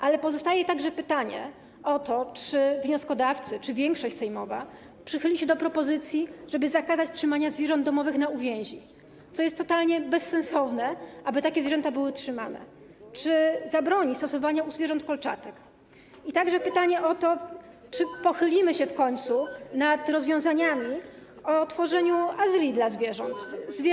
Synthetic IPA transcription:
ʔalɛpɔzɔst̪ajɛt̪aɡʐɛpɘt̪aɲɛ̰ | ɔt̪ɔt͡ʂɘvɲɔskɔd̪aft̪sɘt͡ʂɘvʲjɛŋkʂɔɕt͡ɕsɛjmɔva | pʂɘxɘlʲiɕɛd̪ɔpɾɔpɔzɘt̪sʲjiʐɛbɘzakazat͡ɕtʂɘmaɲazvʲjɛʐɔnd̪d̪ɔmɔvɘxnauvʲjɛ̃w̃ʑi | t̪sɔjɛst̪ːɔt̪alɲɛbɛsːɛñsɔvnɛʔabɘt̪akʲɛzvjʐɛnt̪abɘwɘtʂɘma̰nɛ̰ | t͡ʂɘzabɾɔɲist̪ɔsɔvaɲauzvʲjɛʐɔnt̪pɔlt͡ʂa̰t̪ɛk | it̪aɡʐɛpɘt̪aɲɛʔɔt̪ɔ | t͡ʂɘpɔxɘlʲimɘɕɛfkɔɲt̪sunat̪ɾɔzvʲjɔ̃w̃zaɲamʲiɔt̪fɔʐɛɲuazɘlʲid̪lazvʲjɛʐɔ̰nt̪zʲ

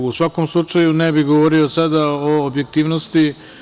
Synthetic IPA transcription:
usʋakomslˠut͡ʂajunebiɡoʋoːɾiosad̪aoːbje̞k̚t̪iːʋnost̪i

